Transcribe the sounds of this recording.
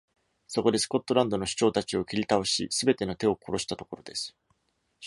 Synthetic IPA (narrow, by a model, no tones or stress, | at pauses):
so̞ko̞d̪e̞sɨ̥ko̞t̪ːo̞ɾãnd̪o̞no̞ɕi̥t͡ɕo̞ːt̪at͡ɕio̞kʲiɾʲit̪ao̞ɕḭsɨbe̞t̪e̞no̞t̪e̞o̞ko̞ɾo̞ɕi̥t̪at̪o̞ko̞ɾo̞d̪e̞sɨ̥